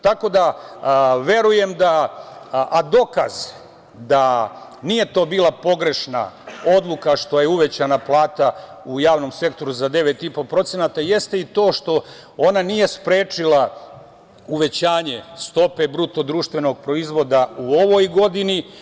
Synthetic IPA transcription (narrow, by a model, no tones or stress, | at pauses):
t̪ako̞d̪a | ʋe̞ɾuje̞md̪a | ʔad̪o̞kaz | d̪a | nije̞t̪o̞ːbiːlapo̞ɡɾe̞ʃna̰o̞d̪lˠukaʃt̪o̞jeuʋe̞t͡ɕanaplˠaːt̪a | ujaːʋno̞mse̞kt̪o̞ɾuzad̪e̞ʋe̞t̪ipo̞pɾo̞t̪senat̪aje̞st̪e̞it̪o̞ːʃt̪o̞ | o̞nanije̞spɾe̞ːt͡ʂila | uʋe̞t͡ɕaːɲe̞st̪o̞pe̞bɾut̪o̞d̪ɾuːʃt̪ʋe̞no̞ɡ̚pɾo̞izʋo̞d̪auo̞ʋo̞jɡo̞d̪ini